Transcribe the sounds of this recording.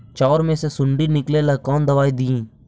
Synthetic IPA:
t͡ʃɔːɾmẽsesʊɳɖinɪklelɐkɔːnd̪ɐʋaːid̪iĩː

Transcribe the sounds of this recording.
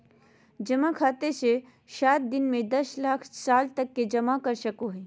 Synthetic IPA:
d͡ʒɐmakʰaːt̪ese | ʃaːt̪̚d̪ɪnmẽd̪ɐslaːkʰsaːlt̪ɐkːed͡ʒɐmakɐɾʃɐkõɦɛː

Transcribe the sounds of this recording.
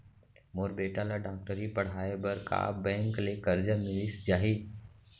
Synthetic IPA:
moːɾbeːʈalaɖaːk̚ʈəɾipəɽ̤aːebəɾka̰ːbɛ̃ːŋklekəɾd͡ʒamɪlisd͡ʒaːɦiː

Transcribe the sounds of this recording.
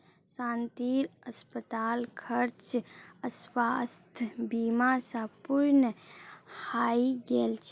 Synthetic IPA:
sãːnt̪iɾəspət̪aːlkʰəɾt͡ʃəswast̪ʰbimasə̃puɾnəhaiɡelt͡ʃʰ

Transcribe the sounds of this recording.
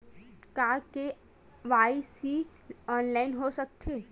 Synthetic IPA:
kaːke | ʋaːisi | ɔːnlaːɪnɦosɐk̚t̪ʰeː

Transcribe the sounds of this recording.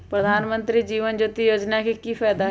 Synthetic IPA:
pɾəd̪ʱaːnmənt̪ɾiːd͡ʒiːʋənd͡ʒuːt̪ijoːd͡ʒnaːkikiːpʰɛːd̪a

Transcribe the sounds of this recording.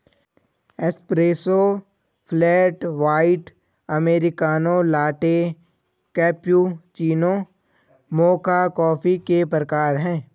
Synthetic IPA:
espɾeːso | pʰlɛːʈʋaːɪʈ | əmeːɾɪkaːnõlaːʈe | kɛːpjuːt͡ʃiːno | moːkakɔːfʰikepɾəkaːɾɦɛ̃ː

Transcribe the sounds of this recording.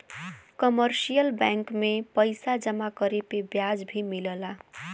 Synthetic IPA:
kʌmʌɾsijəlbaŋkmepʌjsad͡ʒʌmakʌɾepebjad͡zbʱimiləla

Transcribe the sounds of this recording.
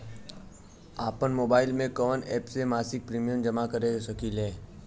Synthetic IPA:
aːpənmoːbaːɪlmẽkɔːnɛːpsemaːsɪk̚pɾiːmijənd͡ʒɐmakɐɾesɐkileː

